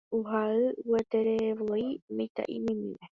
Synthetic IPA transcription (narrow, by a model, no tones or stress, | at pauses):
uɦaɨwuet̪eɾeʋoimejt̪a̰ʔimĩmḭ̃ʋe